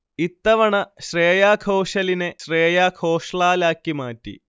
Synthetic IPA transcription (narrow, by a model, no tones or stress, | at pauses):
it̪ːɐʋɐɳɐɕreːjaːkʰɐːɕɐlineɕreːjaːkʰoːʂɭaːlaːkːimaːtːḭ